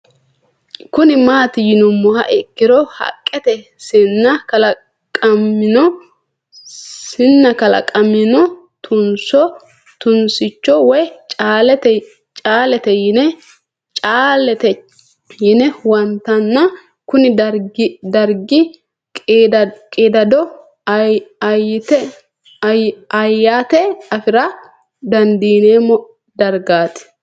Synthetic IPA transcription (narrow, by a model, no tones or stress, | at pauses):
kʊnɪmaːt̪ɪjɪnʊmːʊhɐ̰ʔɪkːɪɾɔhɐ̰kʼːɛt̪ɛ | sɪnːɐkɐlɐ | kʼɐmːɪnɔ | sɪnːɐkɐlɐ̰kʼɐmɪnɔ | t̪ʰʊnsɔ | t̪ʊnsɪt͡ʃːɔwɔjt͡ʃʼaːlɛt̪ɛ | t͡ʃʼaːlɛt̪ɛjɪnɛ | t͡ʃʼaːlɛt̪ɛ | jɪnɛwɐnt̪ɐnːɐ | kʊnɪdɾɡɪd̪ɐɾɡɪ | kʼːkʼed̪ɐd̪ɔ | jɪt̪ɛ | ɐjaːt̪ɛɐfɪɾɐ | d̪ɐnd̪iːneːmɔ | d̪ɐɾɡaːt̪ɪ̥